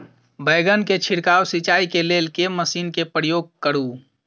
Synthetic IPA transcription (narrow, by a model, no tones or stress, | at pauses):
bəɪɡənket͡ʃʰɪɽkaːwsit͡ʃaːikeleːlkeməsiːnkepɾəjoːɡ̚kəɾu